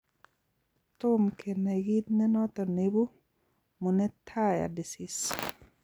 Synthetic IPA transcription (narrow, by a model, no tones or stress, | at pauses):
t̪umkenaɡit̪̚nɛnɔt̪ɔnebu | munɛtʰaja̰disis